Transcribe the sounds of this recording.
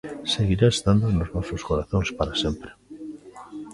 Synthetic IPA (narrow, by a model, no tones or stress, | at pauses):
seɣiɾaest̪ãnd̪onoznɔsoskoɾaθõŋspaɾasempɾe̥